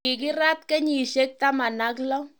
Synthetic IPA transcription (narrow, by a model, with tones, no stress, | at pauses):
i˨ki˦ɾa˦t̪kɛ˦ɲi˨ʃe˦k̚t̪a˦ma˨na˦klɔ˦